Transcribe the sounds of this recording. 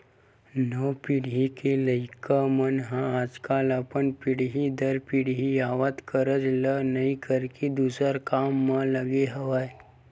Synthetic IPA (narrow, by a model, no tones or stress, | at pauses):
nəpiɽ̤ɦikeləɪkamənɦãaːd͡ʒkaːləpənpiɽɦid̪əɾpiɽ̤ɦiaːʋət̪kəɾəd͡ʒlənɐĩkəɾked̪uːsəɾkaːmːãləɡeɦəʋaːe